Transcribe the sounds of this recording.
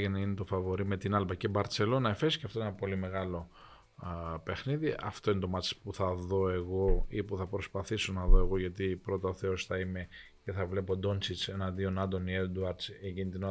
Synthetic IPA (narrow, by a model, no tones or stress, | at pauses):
ʝeneinet̪ofɐvo̞ɾime̞t̪inɐlpɐcebɐɾt͡se̞lo̞nɐefesceɐft̪o̞eenɐpo̞lime̞ɣɐlo̞ | pe̞xniðiɐ̰ft̪o̞inet̪o̞mɐt͡si̥spuθɐðo̞e̞ɣo̞ipuθɐpɾospɐθisonɐðo̞e̞ɣo̞ʝɐt̪ipɾo̞t̪ɐoθe̞o̞sθɐime̞ | ceθɐvle̞po̞d̪o̞nt͡sit͡se̞nɐd̪io̞nɐnd̪o̞nied̪uɐɾd̪seɟinit̪ino